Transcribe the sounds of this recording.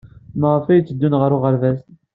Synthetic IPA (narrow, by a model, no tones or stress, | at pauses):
məʁəfæjət͡sːəd̪ːunʁəɾʊʁəɾvæst̪